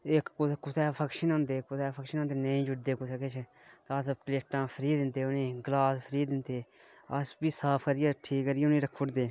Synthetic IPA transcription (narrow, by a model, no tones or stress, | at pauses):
ɪkːʊkːʊt̪ɛːpʰəkʃənõːnd̪eːkːʊt̪ɛːpʰəkʃənõːnd̪eːnəĩːd͡ʒʊʈd̪eːkʊt̪ʰeːket͡ʃʰ | t̪əspleːʈãːpʰəɾiːd̪ɪnt̪eːnẽːɡəlaːspʰəɾiːd̪ɪnt̪eː | əsbiːsaːpʰkəɾɪjaːʈʰiːkːəɾɪeːnĩːɾəkʰːʊʈd̪eː